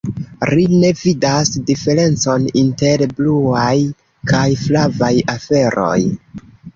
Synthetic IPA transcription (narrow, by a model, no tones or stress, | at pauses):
ɾine̞vidasdife̞ɾe̞nt͡so̞ninte̞ɾbluaj | kajflavajafe̞ɾo̞̰j